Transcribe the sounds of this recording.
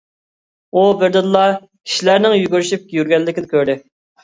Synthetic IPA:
ubɪɾd̪ɪnlˠɑ | kʲʰi̥ʃilæɾnɪŋjyɡʲyɾyʃip̚ʲjyɾɡʲɛlːɪkʲɪd̪ɪkʲøɾd̪ɪ

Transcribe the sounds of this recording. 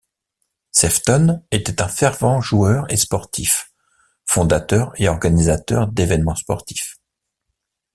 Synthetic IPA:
sɛft̪ɔnet̪ɛt̪ɛ̃fɛʁvɑ̃ʒuœʁḛspɔʁt̪ʰif | fɔ̃d̪at̪œʁeɔʁɡanizat̪œ̰ʁd̪evɛnmɑ̃spɔʁt̪ʰi̥f

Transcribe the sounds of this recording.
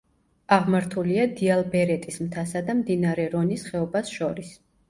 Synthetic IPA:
aʁmaɾt̪ʰuliad̪ialˠbɛɾɛt̪ʼismt̪ʰasad̪amd̪inaɾɛɾɔnisχɛɔbasʃɔɾis

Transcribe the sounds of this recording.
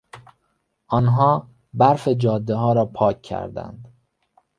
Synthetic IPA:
ʔɒːnɦɒː | bæɾfed͡ʒɒːd̪ːeɦɒːɾɒːpʰɒːcʰːæ̰ɾd̪æ̰nd̪

